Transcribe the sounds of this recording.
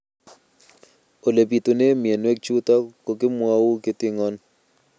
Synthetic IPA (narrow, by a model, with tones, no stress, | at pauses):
o˨le˨pi˨t̪o˨ne˦mɪ˨e˨nwɛ˦k̚t͡ʃu˦t̪a˦ko˨kɪ˦mwa˦wu˦kɪ˦tɪ˦ŋɔ˦n